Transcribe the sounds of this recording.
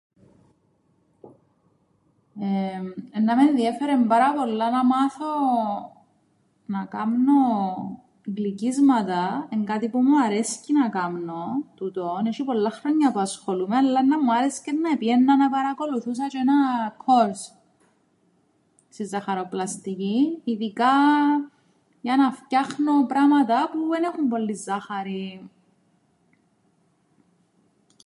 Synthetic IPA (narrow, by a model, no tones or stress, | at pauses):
eenːɐmenðiefeɾembɐɾɐpo̞lːɐnɐmɐθo | nɐkɐmno | ɡlicizmɐt̪ɐeŋɡɐt̪ipumuɐɾescinɐkɐmno̞t̪ut̪oneʃipo̞lːɐxɾoɲːɐpuɐsxolumeɐlːɐnːɐmːuɐɾescenːɐepijenːɐnɐpɐɾɐko̞luθus̬ɐt͡ʃoenɐkʰoɾs | sizːɐxɐɾoplɐst̪iciːðikɐ | ʝɐnɐfcɐxno̞pɾɐmɐt̪ɐpuenexumpo̞lːizːɐxɐɾi